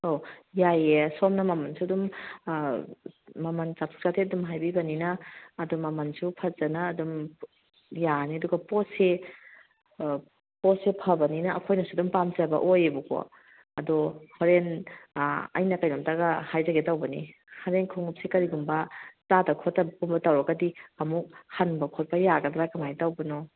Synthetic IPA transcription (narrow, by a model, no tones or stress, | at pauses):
ojajesɔmnɐmɐmɐnsuɐdum | mɐmɐnt͡ʃatʰu̥k̚satʰeɐdumɦajbibɐninaːdumːɐmɐnsupʰɐzɐnaːdum | janiɐduɡɐpɔse | posepʰɐbɐninɐʔɐkʰojnɐsudumpamzɐbɐ̰ʔojebuko̰ | ɐdɔhoɾen | ɐ̰jnɐkajnomtaɡɐhajzɐɡetawbɐnḭ | haɾenkʰoŋup̚sekɐɾiɡumbɐzadɐkʰotːɐbkumbɐtawɾɐɡɐdiɐmuk̚hanbɐkʰot̚pɐjaɡɐdɾakɐmajtawbɐnɔ